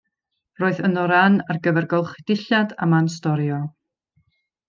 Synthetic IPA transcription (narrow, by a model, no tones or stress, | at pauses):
roːɨðənɔɾanarɡəvɛrɡɔlˠχɪd̥ɪɬada̰mans̬tɔɾjɔ